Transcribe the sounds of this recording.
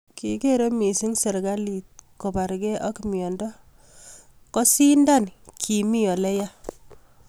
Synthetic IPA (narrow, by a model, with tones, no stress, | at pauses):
ki˨ke˦ɾo˦mi˨si˦ŋse˨ɾɡa˦li˨t̚ko˨ba˨ɾɡɛ˦ʔɔ˦kmjɔ˨ndɔ˦ | kɔ˦si˦nda˦nkʰi˨mi˦jɔ˨lɛ˦ja˦